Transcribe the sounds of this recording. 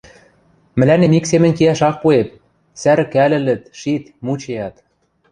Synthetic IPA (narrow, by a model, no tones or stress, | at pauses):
mɘ̆lænemiksemɘ̆nʲkiæʃɑk̚puet̪̚ | sæɾɘ̆kælɘ̆lɘ̆t̪ʃit̪mut͡ɕejɑt̪